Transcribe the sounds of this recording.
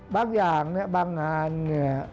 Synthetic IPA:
baː˧ŋjaː˨˩ŋni˥˩ɐbaː˧ŋːaː˧nːi˦˥˩ɐ

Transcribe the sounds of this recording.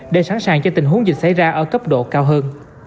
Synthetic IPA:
ɗe˧˩sa˧˥nsaː˧˨˩ŋt͡ɕɔ˧t̪ï˨˩ŋɦu˨˦əŋzi˨˩sa˧˩jzaː˧ʔəː˧˩kə˦˥p̚ɗo̰˧˨kaː˧wɦəː˧n

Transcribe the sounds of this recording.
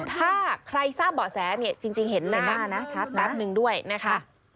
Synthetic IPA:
t̪ʰaː˥˩kʰɾa˧jsaː˥˩p̚bɔː˨˩t̪sɛː˩˦ni˥˩ɐt͡ɕi˧ŋt͡ɕi˧ŋhe˩˦nːa˨˩maː˥˩na˦˥t͡ɕʰa˦˥t̪̚ɾa˦˥˦p̚nɯ˧ŋdu˥˩əjna˦˥kʰa˦˥

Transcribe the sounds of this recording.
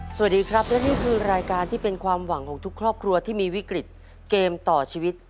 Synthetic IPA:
su˨˩t̚diː˧kʰɾa˦˥p̚lɛ˦˥niː˥˩kʰɯː˧ɾaː˧jkaː˧nt̪ʰiː˥˩pe˧nkʰwaː˧mwa˨˩˦ŋkʰɔː˩˦ŋt̪ʰu˦˥kʰɾɔː˥˩p̚kʰɾu˧ɐt̪ʰiː˥˩miː˧wi˦˥kɾi˨˩t̪̚ | keː˧mt̪ɔː˨˩t͡ɕʰiː˧wi˦˥t̪̚

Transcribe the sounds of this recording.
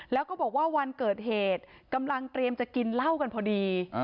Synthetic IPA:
lɛː˦˥wkɔː˥˩bɔː˨˩k̚waː˥˩wa˧nkɤː˨˩t̪̚ɦeː˨˩t̪̚ka˧mla˧ŋt̪ɾi˧əmt͡ɕa˨˩ki˧nla˥˩wka˧npʰɔː˧diː˧

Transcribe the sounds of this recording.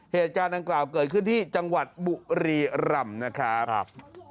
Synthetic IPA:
heː˨˩t̪̚kaː˧nda˧ŋklaː˨˩wkɤː˨˩t̪̚kʰɯ˥˩nt̪ʰiː˥˩t͡ɕa˧ŋwa˨˩t̪̚bu˨˩ɾiː˧ɾa˧mna˦˥kʰa˦˥

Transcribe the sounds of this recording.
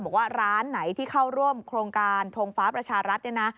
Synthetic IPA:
bɔː˨˩k̚waː˥˩ɾaː˦˥nːa˩˦jt̪ʰiː˥˩kʰa˥˩wɾu˥˩əmkʰɾoː˧ŋkaː˧nt̪ʰoː˧ŋfaː˦˥pɾa˧t͡ɕʰaː˧ɾa˦˥t̪̚na˥˩na˦˥

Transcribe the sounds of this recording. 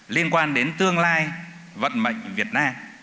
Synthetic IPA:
li˧ənkwaː˧nɗe˨˦nt̪ɨ˧əŋlaː˧j | və̰˧˨nmə̰˧˨jŋ̟vi˨˩ət̚naː˧m

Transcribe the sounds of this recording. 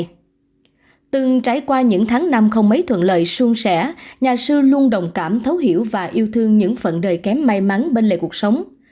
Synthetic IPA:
t̪ɨ˨˩ŋt͡ɕa˨˩˦jkwaː˧ɲɨ̰˧˥ŋt̪ʰaː˨˦ŋna˧mxə˧wŋ͡mmə˨˦jt̪ʰwə̰˧˨nlə̰ː˧˨jsu˧ŋsɛ̰˧˥ɲaː˨˩sɨ˧lu˧ənɗə˨˩wŋ͡mkaː˧˩mt̪ʰə˨˦whḭ˧˩əwvaː˨˩ʔi˧əwt̪ʰɨ˧əŋɲɨ̰˧˥ŋfə̰˧˨nɗəː˨˩jkɛ˨˦mːa˧jma˨˦nɓe˧nlḛ˧˨ku˨˩ə˩k̚sə˨˦wŋ͡m

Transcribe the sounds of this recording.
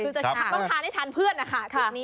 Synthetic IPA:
ɯː˧t͡ɕa˨˩˧t̪ɔ˥˩ŋtʰaː˧nha˥˩t̪ʰaː˧npʰɯ˥˩ənːa˦˥kʰa˥˩t͡ɕʰa˧˩niː˦˥

